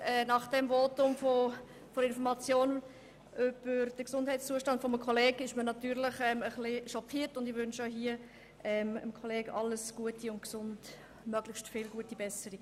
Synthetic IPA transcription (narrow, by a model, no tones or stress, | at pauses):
ɛːnɑχd̥ɛmvoːtʊmfo | foɾɪnfɔɾmɑt͡sjoːn | ʔʏb̥əɾd̥əksʊnd̥hɛɪtst͡suːəʃtɑnd̥fɔməkʰχɔleːɡɪʃmənɑtyːɾləχɛməχlɪʃɔkʰiːəɾtʊndɪʋʏnʃaɦiə | ʔɛmə̰mkʰɔleːɡɑlːəsɡ̥uətiʊntksʊnd | mœɡ̥ləχʃtfɪlɡuətibɛsəɾi